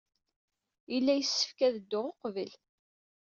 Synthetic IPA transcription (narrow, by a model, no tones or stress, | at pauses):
ilːæjəsːə̥fkæðəd̪ːʊʁoqvəl